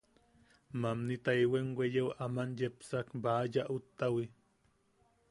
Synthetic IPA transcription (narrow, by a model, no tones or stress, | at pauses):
mamnit̪ajweŋwejewʔamanjepsakbaːjaʔut̪ːawi